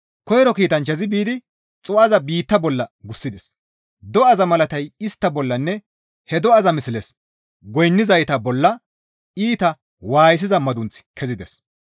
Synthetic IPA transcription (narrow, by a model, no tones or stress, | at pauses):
kɔjɾɔkiːt̪ɐnt͡ʃːɐzɪbiːd̪ɪ | t͡sʼʊɐzɐbiːt̪ːɐbɔlːɐɡʊsːɪd̪ɛs | d̪ɔɐzɐmɐlɐt̪ɐjɪst̪ːɐbɔlːɐnːɛ | hɛd̪ɔɐzɐmɪsɪlɛs | ɡɔjnːɪzɐjt̪ɐbɔlːɐ | iːt̪ɐ | waːjɪs̬ɪzɐmɐd̪ʊnt͡sɪ̥kʰɛzɪd̪ɛs